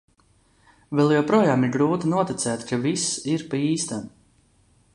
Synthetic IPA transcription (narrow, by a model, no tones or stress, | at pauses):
vɛlˠjawpɾuɔjaːmiɾɡɾuːt̪inuɔt̪it̪sɛːt̪kʰavisiɾpaiːst̪an